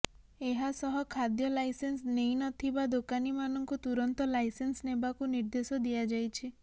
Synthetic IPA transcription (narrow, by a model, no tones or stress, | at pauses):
eɦasɔɦɔkʰad̪jɔlajsensnejnɔt̪ʰibad̪okanimanɔŋkut̪uɾɔnt̪ɔlajsensnebakuniɾd̪esɔd̪iad͡ʒajt͡ʃʰi